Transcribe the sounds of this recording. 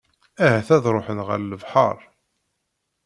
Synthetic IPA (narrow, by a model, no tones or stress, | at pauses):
æhæθæðɾˤoħənʁə̰ɾləvħɑ̰ɾˤ